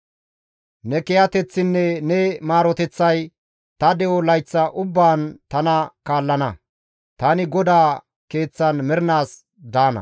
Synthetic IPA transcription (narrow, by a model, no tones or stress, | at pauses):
nɛkɛjɐt̪ɛt͡sːɪnːɛnɛmaːɾɔt̪ɛt͡sːɐj | t̪ɐd̪ɛʔɔlɐjt͡sːɐʔʊbːaːnt̪ɐnɐkaːlːɐnɐ | t̪ɐnɪɡɔd̪aː | ke̞ːt͡sːɐnmɛɾnaːs | d̪aːnɐ̰